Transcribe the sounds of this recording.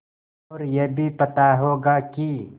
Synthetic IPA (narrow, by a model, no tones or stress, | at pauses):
ɔːɾjebʱipɐt̪aɦoːɡaki